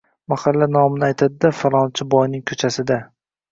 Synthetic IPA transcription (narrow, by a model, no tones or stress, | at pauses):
maχalːanɒmɪnɪajt̪ʰad̪ɪd̪afaɾˠɒnt͡ʃʰɪbɒjnɪŋkʰɵt͡ʃʰasɪd̪a